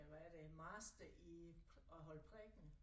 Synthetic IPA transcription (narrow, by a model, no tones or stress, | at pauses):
æɾ̥emɑ̈ːsd̥əʔi | ɒɦɒ̽lpʰʁɛɡ̥n̩